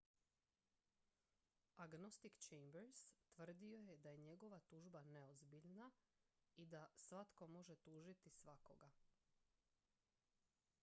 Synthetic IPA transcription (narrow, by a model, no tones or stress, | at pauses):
aɡno̞st̪ikt͡ʃejmbeɾst̪ʋr̩d̪io̞je̞d̪aje̞ɲe̞ɡo̞ʋat̪uːʒbane̞ozbiʎna | id̪asʋat̪ko̞mo̞ʒet̪uːʒit̪isʋako̞̰ɡa